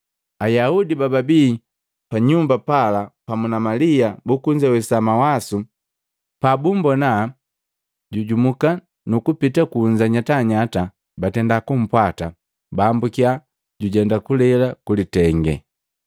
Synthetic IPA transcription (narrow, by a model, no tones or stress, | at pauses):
ajaudibababiː | paɲumbapalapamunamaliabukuɲd͡ʒawɛsamawasu | pabumbɔna | ɟuɟumuka | nukupitakuːɲd͡ʒaɲataɲata | batɛndakum̩pwata | baːmbukia | ɟuɟɛndakulɛlakulitɛŋɡɛ̰